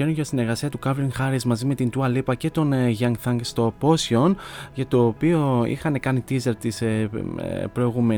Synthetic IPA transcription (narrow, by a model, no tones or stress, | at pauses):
eɾonʝɐst̪ine̞ɾɣɐsiɐt̪ukɐvɾinxɐɾizmɐzime̞t̪int̪uɐlipɐce̞t̪o̞nʝɐŋkθɐŋɡst̪o̞po̞sio̞nʝɐt̪o̞ːpio̞ḭxɐne̞kɐnit̪izelt̪is | pɾo̞iɣume